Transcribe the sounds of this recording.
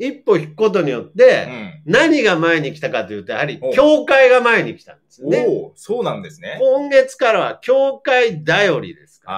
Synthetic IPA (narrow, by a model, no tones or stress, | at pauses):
ipːo̞çi̥kɯ̟̥ko̞t̪̬o̞ɲ̟ijo̞t̪ːe̞naɲ̟iɡamae̞ɲ̟ikʲi̥t̪akat̪o̞jɯ̟ːt̪o̞jahaɾʲikʲo̞ːkaiɡamae̞ɲ̟ikʲi̥t̪ã̰nd̪e̞sɨonesoːnãnd̪esɨnekõŋɡe̞t͡sɨ̥kaɾaβ̞a̰kʲo̞ːkaid̪ajo̞ɾʲḭd̪e̞sɨ̥ka̰